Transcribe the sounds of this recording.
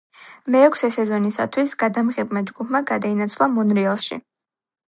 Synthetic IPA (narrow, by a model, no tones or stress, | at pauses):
mɛːkʷʰsɛsɛzɔnisa̰t̪ʰwisɡad̪amʁɛbmad͡ʒɡupʰmaɡad̪ainat̪sʰlˠamɔnɾialˠʃḭ